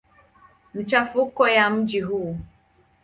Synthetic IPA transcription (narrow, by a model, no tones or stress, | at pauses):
m̩t͡ʃafukɔjam̩d͡ʒiɦu